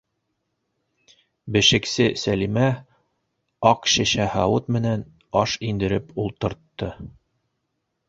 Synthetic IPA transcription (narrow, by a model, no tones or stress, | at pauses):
bɘ̆ʃɘ̆ksɘsælimæ | ɑqɕɘ̆ɕæhɑwɤt̪mɘ̆næn | ɒʃind̪ɘ̆ɾɘpulˠt̪ɤ̆ɾt̪ːɤ